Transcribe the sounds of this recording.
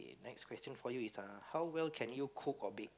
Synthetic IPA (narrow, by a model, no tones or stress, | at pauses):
nɛkskʰwɛstə̃nfɔjuisahawwɛlkʰɛ̃njukʰukɔbik̚